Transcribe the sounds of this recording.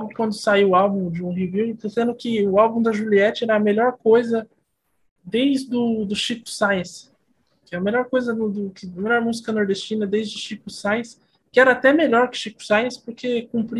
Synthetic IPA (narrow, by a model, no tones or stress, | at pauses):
kwɐ̃nd̪ʊsaiwʊawbũd͡ʒɪũɦiviwt̪esẽnd̪ʊkɪʊawbũd̪ɐʒuliɛt͡ʃɪɛɾɐɐmeʎɔɾkojzɐ | d̪ejzd̪ʊd̪ʊʃikʊ̥sajẽs | kɐmelɔɾkojzɐd̪ʊd̪ʊkɪɐmelɔɾmuzikɐnoɾd̪est͡ʃĩnɐd̪ejzd͡ʒɪʃikusajẽs | kɪɛɾɐat̪ɛmeʎɔɾkɪ̥ʃiku̥sajẽspoɾkekũpɾi